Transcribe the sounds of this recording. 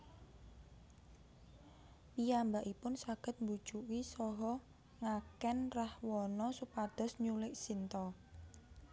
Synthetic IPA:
piambaʔipʊnsaɡ̥ə̤t̪̚mbu̥ʒ̥uwisɔɦɔ | ŋakɛnrahwɔnɔsupad̪̥ɔ̤sɲulɪʔsint̪ɔ

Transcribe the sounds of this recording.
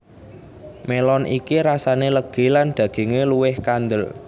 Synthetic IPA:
melɔnʔḭkiɾasaneləɡ̥e̤lanɖ̪̥a̤ɡ̥e̤ŋeluwɪhkand̪əl

